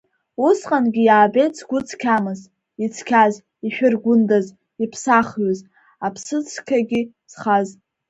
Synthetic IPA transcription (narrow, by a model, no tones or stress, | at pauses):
usqʼanɡʲijaːbejt͡sʰɡ̥ʷʊt͡sʰkʲʰamɨz | it͡sʰkʲʰaz | iʃᶣʊrɡʷʊndaz | ipʰsaχɥaz | apʰsɨt͡sʰkʲʰaɡʲi | z̥χaz